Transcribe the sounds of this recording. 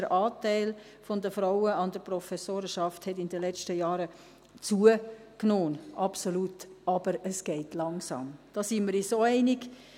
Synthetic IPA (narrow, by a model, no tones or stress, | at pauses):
əɾʔɑːtæɪl | fɔndəfɾaʊəɑndəɾpɾɔfɛsoːɾəʃɑfthɛt̬ɪndəlɛt͡ʃtəjɑːɾə | t͡suə | knoːnʔɑpsolutɑbəɾəsɡ̥ɛɪtlɑŋsɑ̰ːmd̥ɑsiməɾisoːɛɪnɪɡ